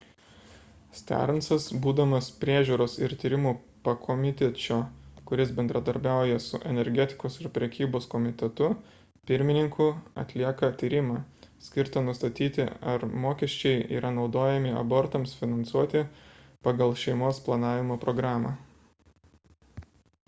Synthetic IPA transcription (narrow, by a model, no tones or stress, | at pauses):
sʲt̪ʲæ̰ɾnsɐsbuːd̪ɐmɐspʲɾʲiɛʒʲuːɾoːsɪɾt̪ʲiːɾʲɪmuː | pɐkʰɔmʲɪt̪ʲɛt͡ʃʲoːkʊɾʲɪsbʲɛnd̪ɾɐd̪ɐɾʲbʲæˑʊjɛsʊʔɛnʲɛɾʲɡʲɛt̪ʲɪ̥koːsɪɾpʲɾʲɛkʲiːboːskɔmʲɪt̪ʲɛt̪ʊ | pʲɪɾʲmʲɪnʲɪŋkʰuːɐ̰t̪ʲlʲiɛkɐt̪ʲiːɾʲɪmɑːsʲkʲɪɾt̪ɐnʊst̪ɐt̪ʲiːt̪ʲɪ̰ɐɾmoːkʲɛʃʲt͡ʃʲɛɪḭːɾʔɐnɒʊd̪oːjɛmʲɪɐ̰boːɾt̪ɐmsfʲɪnɐnsuɔt̪ʲɪpɐɡɐlˠʃʲɛɪmoːsplˠɐnɑːʋʲɪmoːpɾɔɡɾɑːmɑ